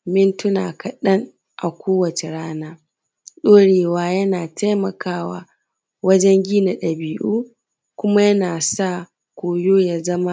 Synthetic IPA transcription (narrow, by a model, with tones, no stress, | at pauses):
mɪ˦ntʊ˦na̰ː˨kɐ˨ɗɐ˦ŋ | ʔa˨kʷoː˦wɐ˨t͡ʃe˨ɽaː˦naː˦ | ɗoː˦ɽeː˨waː˦jɐ˦naː˨tʰa˦jmɐ˨kaː˦wa̰ː˨ | wɐ˦d͡ʒɛ˦ŋɡʲiː˦na˨ɗɐ˨biː˦ʔuː˦ | kʷʊ˦ma˦jɐ˦naː˨sa˦˨ | kʷoː˨joː˦ja˦zɐ˦ma˦